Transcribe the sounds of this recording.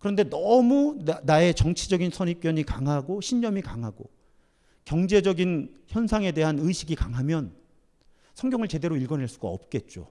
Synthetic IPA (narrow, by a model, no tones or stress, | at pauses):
kɯɾʌnde̞nʌmunae̞t͡ɕʌŋt͡ɕʰid͡ʑʌɡinsʰʌɲip̚k͈jʌɲikaŋɦaɡoɕʰiɲd͡ʑʌmikaŋɦaɡo̰ | kjʌŋd͡ʑe̞d͡ʑʌɡinçjʌnsʰaŋe̞de̞ɦanɯjɕʰiɡikaŋɦamjʌn | sʰʌŋɡjʌŋɯɭt͡ɕe̞de̞ɾoiɭɡʌnɦaɭs͈uɡa̰ʌ̰p̚k͈e̞t̚t͡ɕ͈o̰